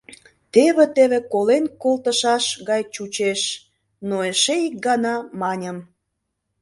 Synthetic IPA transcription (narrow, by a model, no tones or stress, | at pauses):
t̪eβĕt̪eβekolenkolt̪əʃɑʃɣɑjt͡ɕut͡ɕeʃ | noeʃeik̚ɡɑnɑmɑnʲəm